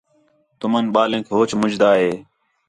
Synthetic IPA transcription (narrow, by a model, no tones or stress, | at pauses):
t̪ʊmənɓaːlẽːkʰɦoːt͡ʃmʊd͡ʒd̪aːɦeː